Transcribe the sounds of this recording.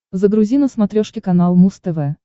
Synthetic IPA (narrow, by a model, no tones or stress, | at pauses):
zəɡɾʊzʲinəsmɐt̪ɾʲoʂkʲɪkɐnalˠmust̪ɛvɛ